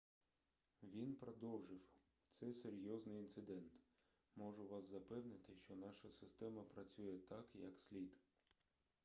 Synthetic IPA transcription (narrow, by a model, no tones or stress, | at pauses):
ʋʲinpɾɔd̪ɔwʒɪw | t̪sɛseɾʲjɔznɪjint̪sɪd̪ɛnt̪ | mɔʒʊʋɑszɐpɛwnɪt̪ɪʃt͡ʃɔnɑʃɐsɪst̪ɛmɐpɾɐt͡sʲujɛt̪ɑkjɐ̰ksʲlʲid̪